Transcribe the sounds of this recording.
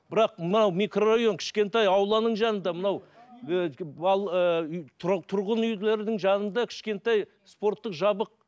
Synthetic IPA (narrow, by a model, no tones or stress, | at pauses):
b̥ɪɾɑq̚mənɑwmikroaɣʲjo̞ŋkʲʰɪ̥ʃkʲe̞nt̪ɑjɑwlˠɑnəɴʒɑnənd̪ɑmənɑw | ɑlˠə | t̪ʰʊɾʁənʏjleɾɪd̪ɪŋʒɑnənd̪ɑkʲʰɪ̥ʃkʲe̞nt̪ɑj | spo̞ɾt̪ːəqʒɑbəq̚